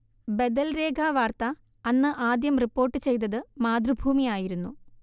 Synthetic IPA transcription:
bed̪ɐlre̞ːɡʱaːʋaːrt̪ɐ | ɐnːɨʔaːd̪jɐmripːo̞ːrʈːɨt͡ɕe̞jt̪ɐðɨmaːd̪rubʱuːmijaːjiɾunːu

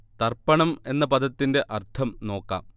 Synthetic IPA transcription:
t̪ɐrpɐɳɐme̞nːɐpɐd̪ɐt̪ːinde̞ʔɐrt̪ʰɐmno̞ːkːa̰ːm

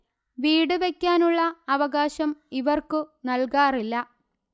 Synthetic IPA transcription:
ʋiːɽɨʋe̞kʲːaːnuɭːɐːʋɐɣaːɕɐmiʋɐrkɨnɐlkaːrilːɐ

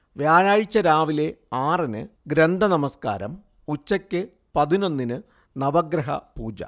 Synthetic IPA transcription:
ʋjaːnaːɻit͡ɕːɐɾaːʋile̞aːrinɨ̰ɡɾend̪ʱɐnɐmɐska̰ːɾɐ̰m | ut͡ɕːɐkʲːɨ | pɐðino̞nːinɨ | nɐʋɐɡɾɐɦɐ̰puːd͡ʑɐ̰

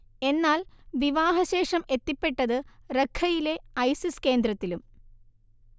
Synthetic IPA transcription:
e̞nːaːlʋiʋaːɦɐɕe̞ːʂɐme̞t̪ːipːe̞ʈːɐðɨrekʰːɐjile̞ɐjsiske̞ːnd̪ɾɐt̪ːilum

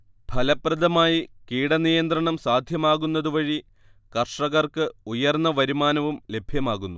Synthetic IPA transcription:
bʱɐlɐprɐd̪ɐmaːjikiːɽɐnijɐnd̪rɐɳɐmsaːd̪ʱjɐmaːɣunːɐðuʋɐɻi | kɐrʂɐɣɐrkɨujɐrnːɐʋɐɾimaːnɐʋumle̞bʱjɐmaːɣunːu

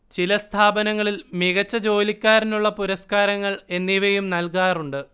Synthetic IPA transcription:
t͡ɕilɐst̪ʰaːbɐnɐŋːɐɭilmiɣɐt͡ɕːɐd͡ʑo̞ːlikʲːaːɾinuɭːɐpuɾɐskaːɾɐŋːɐɭe̞nːiʋejumnɐlkaːruɳɖɨ

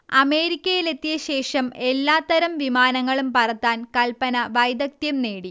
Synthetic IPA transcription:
ɐme̞ːɾikʲːɐjile̞t̪ːijɐɕe̞ːʂɐme̞lːaːt̪ːɐɾɐmʋimaːnɐŋːɐɭumpɐrɐt̪ːaːnkɐlpɐnɐʋɐjd̪ɐk̚t̪jɐmneːɽi

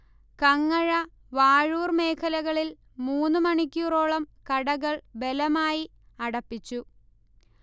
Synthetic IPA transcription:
kɐŋːɐɻɐ | ʋaːɻuːrme̞ːkʰɐlɐɣɐɭil | muːnːɨmɐɳikʲːuro̞ːɭɐmkɐɽɐɣɐɭbe̞lɐmaːji | ɐɽɐpːit͡ɕːu

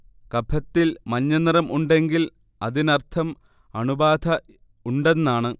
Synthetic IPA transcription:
kɐbʰʱɐt̪ːilmɐɲːɐnirɐmʔuɳɖe̞ŋɡil | ɐðinɐrt̪ʰɐm | ɐɳubaːd̪ʱɐ | uɳɖenːaːɳɨ

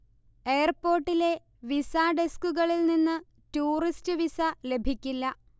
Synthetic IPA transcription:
e̞ːɐrpo̞ːrʈːile̞ | ʋisaɖeskuɣɐɭilninːɨ | tuːristɨʋisɐle̞bʱikʲːilːɐ

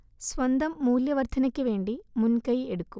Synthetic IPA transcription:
sʋɐnd̪ɐmːuːljɐʋɐɾt̪ʰɐnɐkːiʋe̞ːɳɖimunkɐjeɽukːu

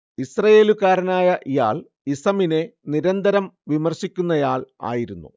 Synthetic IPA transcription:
isrɐje̞ːlukaːɾɐnaːjɐja̰ːɭ | isɐmine̞niɾɐnd̪ɐɾɐmʋimɐrɕikʲːunːɐjaːɭa̰ːjiɾunːṵ

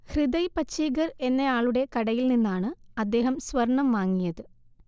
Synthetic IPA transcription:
hriðɐjpɐt͡ɕʰːiːɡɐre̞nːɐjaːɭuɽe̞kɐɽɐjilninːaːɳɨɐd̪ːe̞ːɦɐmsʋɐrɳɐmːaːŋːijɐðɨ

